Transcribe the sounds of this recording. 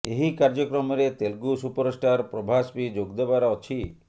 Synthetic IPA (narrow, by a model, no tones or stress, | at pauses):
eɦikaɾd͡ʒokɾɔmɔɾet̪elɡusupɔɾsʈaɾpɾobʱaspid͡ʒoɡd̪ebaɾɔt͡ʃʰi